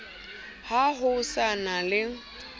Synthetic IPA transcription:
haɦʊsanalɪ

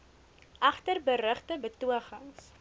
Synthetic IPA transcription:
ʔɐχtərbəɾəχtəbətuəχəŋs

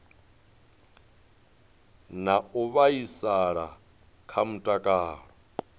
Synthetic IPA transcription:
nauβaisaɺa | kʰam̩tʼakʼaːɺɔ

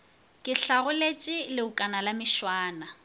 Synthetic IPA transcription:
kʼɪɬaɣʊlet͡ʃʼɪlɪʊkʼanalamɪʃwaːna

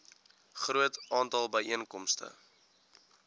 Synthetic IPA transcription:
χruətɑːntɑlˠbəjiənkɔmstə̰

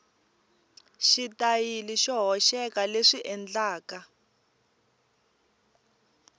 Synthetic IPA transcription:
ʃitajiliʃɔɦɔʃɛkaleʂiʔɛnd͡ɮaːka

